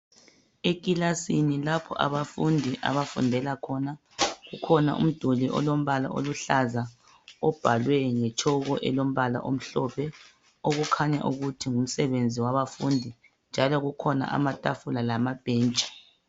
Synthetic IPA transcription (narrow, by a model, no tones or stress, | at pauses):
ekʼilasinilapʰɔ̰ʔa̰βafundʱiʔa̰βafṵndʱɛlakʰɔna | ɣukʰɔna̰ʔṵm̩d̥ʱuliʔɔ̰lom̩βala̰ʔo̰luɬaza | ɔb̥ʱalwɛŋɛt͡ʃʰɔɣɔʔɛlom̩βala̰ʔom̩ɬɔpʰɛ | oɣukʰaɲa̰ʔuɣutʰiŋum̩sɛβend͡zʱiwaβafundʱi | nd͡ʒʱalɔɣukʰɔna̰ʔa̰matʼafulalamab̥ʱɛːnt͡ʃʼi̥